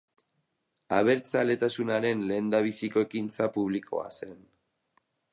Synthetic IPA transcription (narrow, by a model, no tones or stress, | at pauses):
aβ̞e̞ɾt͡sale̞t̪asunaɾe̞nle̞ːnd̪aβ̞isiko̞e̞kint͡sapuβlikʰo̞̰a̰se̞n